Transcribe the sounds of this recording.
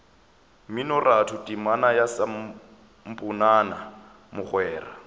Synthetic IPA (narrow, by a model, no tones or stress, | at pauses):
minɔratʰʊtʼimanajasam | m̩pʼʊnana | mʊχwɛːra